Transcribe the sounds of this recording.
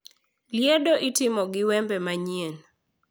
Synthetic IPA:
ljedɔʔitɪmɔɡɪwɛmbɛmaɲien

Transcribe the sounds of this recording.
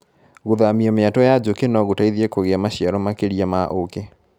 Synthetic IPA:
ɣoðamiɔmeatɔjad͡ʑokenɔɣotaiðiekoɣeamaɕiaɾɔmakeɾiamaʔoke

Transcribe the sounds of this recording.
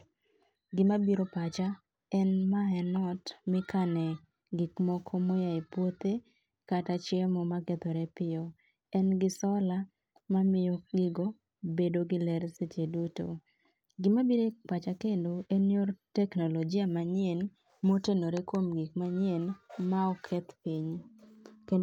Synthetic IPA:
ɡɪmabiɾopat͡ʃa | ɛnmaɛnɔtmɪkanɛ | ɡikmɔkʰomojaipwot̪e | katat͡ʃɛmɔmakɛt̪ɔɾɛpɪɔ | ɛnɡɪsɔla | mamɪjoɡɪɡo | bedoɡɪlɛɾset͡ʃeduto̰ | ɡɪmabiɾek͡pat͡ʃakendoenjoɾtɛknolod͡ʒɪamaɲɛn | motenoɾekomɡik̚maɲɛnmaɔkʰɛt̪piɲ | ke

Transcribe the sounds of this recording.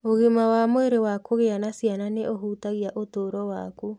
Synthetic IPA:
oɣimawamoeɾewakoɣeanasiananeʔoɦuːtaɣiaʔotoːɾɔwa̰ku

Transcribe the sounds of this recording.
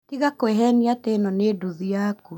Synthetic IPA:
tiɣakoeɦɛniatenɔneduðiaku

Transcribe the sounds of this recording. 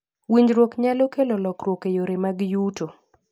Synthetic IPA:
wiɲd͡ʒɾwokɲalokelɔlɔkɾwokejoɾemaɡjuto

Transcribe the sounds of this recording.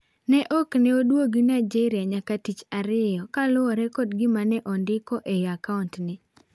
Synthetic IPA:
nɛʔɔknɛodwoɡɪnaɪd͡ʒɛɾɪaɲakatit͡ʃaɾɪjɔkalʊɔɾɛkɔdɡɪmanɛʔɔndɪkɔʔejakauntnɪ

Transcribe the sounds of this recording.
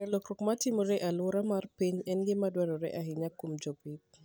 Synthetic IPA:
ɛlokɾokmatɪmoɾɛʔalʊɾamarpiɲɛnɡɪmadwɛɾɔɾɛ̰ʔaɦɪɲakomd͡ʒɔpit̚

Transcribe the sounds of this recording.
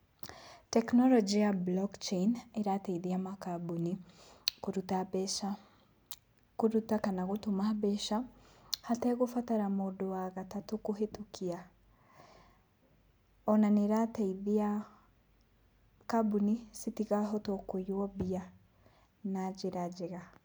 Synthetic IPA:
tɛknɔlɔd͡ʒijablɔkt͡ʃeneɾatɛiðiamakabunikoɾutabɛa | koɾutakanaɣotomabɛʃahatɛɣofataɾamodoaɣatatokoɦetukʰia | ɔnaneɾatɛiðia | kabunisitiɣaɦɔtɔkojwɔbia | nad͡ʒeɾad͡ʒeɣa

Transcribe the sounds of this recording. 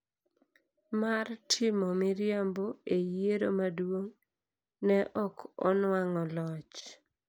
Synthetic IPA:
martʰɪmɔmɪɾjamboejeɾomadwoŋ | nɛʔɔkɔ̰nwaŋɔlɔt͡ʃ

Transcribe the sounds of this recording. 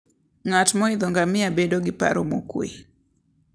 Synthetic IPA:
ŋatmɔid̪oŋɡamɪabedoɡɪpa̰ɾomokwḛ

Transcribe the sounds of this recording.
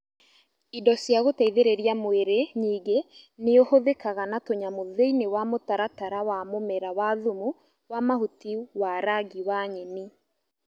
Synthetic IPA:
idɔsjaɣotaiðeɾeɾiamweɾeɲiːɡe | neohoðekaɣanatoɲamoðeinewamotaɾataɾawamomɛɾawaðumu | wamahutiuwaɾaɡiwaɲeni

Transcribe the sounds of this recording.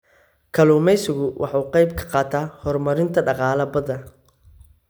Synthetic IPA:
kʰɐluːmɛjsɪɣʊwʔɑ̰ħuːqɑjbkʰɐ̥qɑːt̪ʰaːhɔrmɐɾɪnt̪ʰɐɖɑqɑːlɐbɐðɐ

